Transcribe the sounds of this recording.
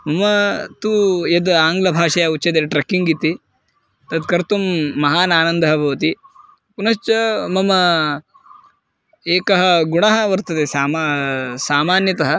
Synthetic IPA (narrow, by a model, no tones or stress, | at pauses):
mɐmɐt̪ujed̪aːŋɡlɐbʱaːʂɐjaut͡ʃːɐt̪eʈɾɐkiŋɡit̪i | t̪ɐd̪̚kɐɾt̪umːɐɦaːnaːnɐnd̪ʱɐɦɐbʱɐʋɐt̪i | punɐʃt͡ʃɐmɐmɐ | eːkɐɦɐ̆ɡuɳɐɦɐ̆ʋɐɾt̪ɐt̪esaːmasaːmaːnjɐt̪ɐɦɐ